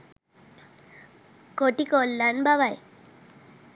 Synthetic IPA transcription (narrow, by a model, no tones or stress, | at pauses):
koʈikolːanbaʋaj